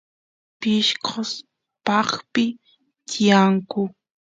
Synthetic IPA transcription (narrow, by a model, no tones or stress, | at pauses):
pɪʃkʰos | pɑχpɪ | t̪ijaŋkʊ